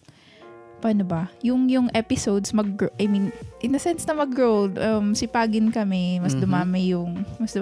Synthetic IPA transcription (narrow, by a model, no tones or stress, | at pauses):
paːnobɐjʊŋjʊŋʔɛpɪsowd̪smɐɡ̚ɾoʔɐjminʔɪnɐsɛnsnɐmɐɡɹowld̪ʔɐmsɪpaːɡɪnkɐmɛmɐsd̪ʊmaːmɛjʊŋmɐsd̪ʊ